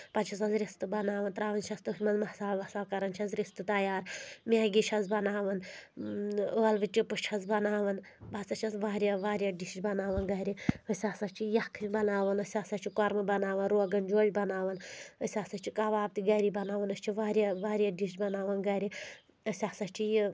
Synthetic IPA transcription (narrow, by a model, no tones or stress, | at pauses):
pɐt͡ʃʰɐsɐnzɾist̪ɨbɐnaːʋɐnt̪ɾaːʋɐnt͡ʃʰɐst̪ɨmɐnzmɐsaːlʋɐsaːlkɐɾɐnt͡ʃʰɐnzɾist̪ɨt̪ɐjaːɾmʲeːɡʲit͡ʃʰɐnzbɐnaːʋɐn | ʋɐlʋɨt͡ʃipuʃt͡ʃʰɐzbɐnaːʋɐn | bɐt͡sɐt͡ʃʰɐsʋaːɾʲjɐʋaːɾʲjɐɖiʃbɐnaːʋɐnɡɐɾiɐsʲaːsɐt͡ʃʰijɐkʰːɨbɐnaːʋɐnɐsʲaːsɐt͡ʃʰikoɾmɨbɐnaːʋɐnɾoːɡɐnd͡ʒoːd͡ʒʲbɐnaːʋɐnɐsʲaːsɐt͡ʃʰikɐʋaːb̚t̪iɡɐɾibɐnaːʋɐnɐst͡ʃʰiʋaːɾʲjɐʋaːɾʲjɐɖiʃt͡ʃbɐnaːʋɐnɡɐɾi | ɐsʲaːsɐt͡ʃʰiji